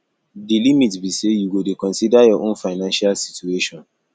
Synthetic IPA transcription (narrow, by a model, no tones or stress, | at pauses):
dilimitbisejuɡodekɔ̃nsidajɔʔõnfaɪnãnʃalsi̥tueʃɔ̃n